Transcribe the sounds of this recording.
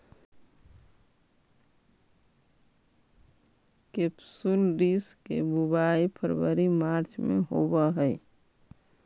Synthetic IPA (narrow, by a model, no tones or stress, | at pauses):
kepsulɾiskḛbubaipʰəɾbəɾimaɾt͡ʃmḛ̃ɦo̰bəɦə